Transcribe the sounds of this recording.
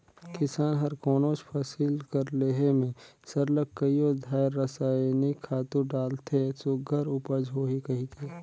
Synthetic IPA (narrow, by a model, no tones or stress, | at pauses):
kɪsaːnɦɐɾkɔːnoːt͡ʃpʰɐsiːlkəɾleːɦemẽsɐɾləkːəijod̪ʱaːjɾːəsaːnikʰːaːt̪ũɖaːlt̪ʰesʊɡʱɐɾʊpəd͡ʒɦoːɦikɐɦit̪ʰeː